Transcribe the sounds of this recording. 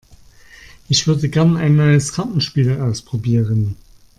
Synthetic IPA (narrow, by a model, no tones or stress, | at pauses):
ʔɪçv̥ʏɐdəɡɛɐnaɪnːɔʏəskʰantn̩ʃpiːlaʊspʁ̥obiːʁən